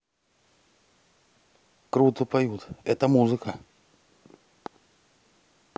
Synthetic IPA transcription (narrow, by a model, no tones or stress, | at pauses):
kɾut̪ɨpɐjut̪ɛt̪əmuzɨkə